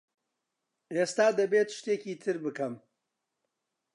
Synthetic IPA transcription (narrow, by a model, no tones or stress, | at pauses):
est̪aːd̪ɐbet̪ʃt̪eːciːt̪ʰɨɾbɨkɐm